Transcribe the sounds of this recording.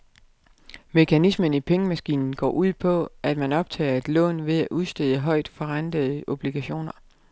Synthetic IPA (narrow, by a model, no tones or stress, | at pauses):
me̝kʰænismənipʰeŋəmæsɡ̥ḭːnn̩ɡ̥ɒ̰ːʔuð̰ˠpʰɒ̽ʔæd̥mænɒ̽b̥̚t͡sʰɛ̰ːɐe̝d̥lɔ̰̽ːnʋe̝ðˠæʔuðˠsd̥eðˠəɦɒ̽ɪ̰d̥fɒ̽ʁand̥əð̩ˠʔo̝b̥liɡ̥æɕo̝̰ːnɐ